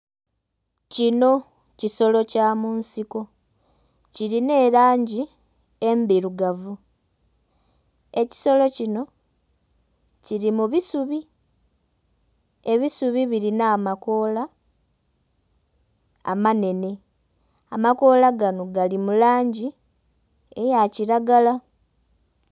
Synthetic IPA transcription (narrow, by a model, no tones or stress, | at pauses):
cino̞ | ciso̞lo̞caːmuːnsiko̞ | ciɾine̞ːɾaːɲɟi | e̞mbiɾuɡavu | e̞ci̥so̞lo̞cino̞ | ciɾimuβisuβi | e̞βisuβiβiɾinaːmako̞ːla | a̰mane̞ne̞ | amako̞laɡanoɡalimulaːɲɟi | ejaciɾaɡala